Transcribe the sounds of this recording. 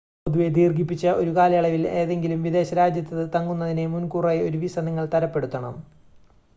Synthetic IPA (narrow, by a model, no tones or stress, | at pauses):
d̪uʋe̞d̪iːrɡip̬ːit͡ɕːɐʔo̞ɾukaːlɐjɐɭɐʋile̞ːðe̞ŋɡilumʋid̪e̞ːɕɐɾaːd͡ʑjɐt̪ːɐðɨt̪ɐŋːunːɐðine̞munkuːraːjo̞ɾuʋisɐnɐŋːɐɭt̪ɐɾɐpːe̞ɽut̪ːɐɳɐ̰m